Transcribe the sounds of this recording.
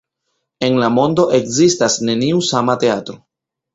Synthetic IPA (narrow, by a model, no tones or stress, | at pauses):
e̞nlamo̞ndo̞ʔe̞kzistasne̞niusamate̞atɾo̞